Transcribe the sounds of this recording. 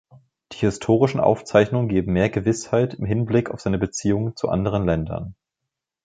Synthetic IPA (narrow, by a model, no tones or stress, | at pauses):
d̥iːhɪstʰoːʁɪʃn̩ʔa̰ʊft͡saɪçnʊŋənɡeːbm̩meːɐɡəvɪshaɪtɪmɦɪnblɪkaʊfz̥aɪnəbət͡siːʊŋənt͡suʔa̰ndəʁ̞ənlɛndɐ̰n